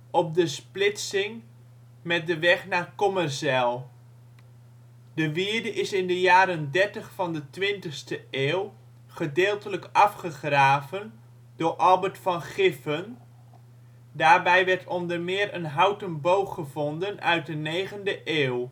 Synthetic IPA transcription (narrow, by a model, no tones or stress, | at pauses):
ɔp̚dəsplɪtsɪŋ | mɛt̚dəʋɛχnaːrkɔmərsɛlˠ | dəʋiəɹdəʔɪsɪndəjaːɾəndɛɹtəχfɑndətʋɪntəχstəʔeːw | χədeːlˠtələkɑfχəχraːvən | d̥ʊːɹʔɑlˠbəɹtfɑnχɪfən | daːɹbɛjʋɛɹtʰɔndəɹmɪːɾənɦawtənbowχəvɔndənœ̰ɥt̚dənejχəndəʔeːw